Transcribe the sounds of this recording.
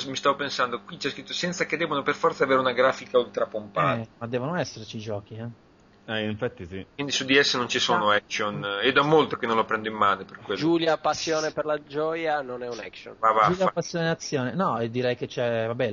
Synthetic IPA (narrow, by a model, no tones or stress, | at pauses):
mist̪avopensand̪okwit͡ʃiɛskɾit̪ːosɛnt̪saked̪ːɛːbonoperfɔɾrt̪saːveːɾeunaɡɾaːfikault̪ɾapompaɛːtmad̪ːɛːvonoɛsːert͡ʃid͡ʒɔːk̟iɛ | ɛiɱfat̪ːisikwind̪isud̪ːiɛsːenont͡ʃisoːnoɛksoned̪ɔmːolt̪okenːõnlopɾɛnd̪oimːaːnoperkweld͡ʒuːljapasːjoːneperlad͡ʒɔjanonɛunɛ̰kso̰nvavauljapasːjoːneat̪sːjoːnenɔɛd̪ːiɾɛjket͡ʃɛvabɛ